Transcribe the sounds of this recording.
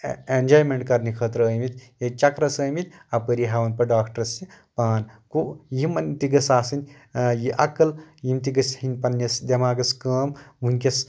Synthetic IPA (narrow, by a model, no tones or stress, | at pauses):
end͡ʒaːjmeɳʈ̚kɐɾnikʰəːt̪ɾəːjmit̪jet͡ʃɐkɾɐsɐːjmit̪ʲ | ɐpəɾiɦaʋɐnpɐɖaːkʰʈɐɾsipaːnkujimɐnt̪iɡɐsaːsɨnʲ | jiʔɐkːɐljimt̪iɡɐshinʲpɐnːɐsd̪ʲɐmaːɡɐskəːmʋunʲkʲɐs